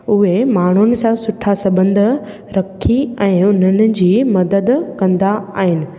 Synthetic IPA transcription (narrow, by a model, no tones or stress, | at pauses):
ʊɦemaːɳ̤ʊnɪ̆sãsʊʈʰasɐbə̃nd̪ʱ | ɾɐkʰiɛ̃ːʊn̤ənɪ̆d͡ʑiːmɐd̪əd̪kɐ̃nd̪aaːɦɪnɪ̆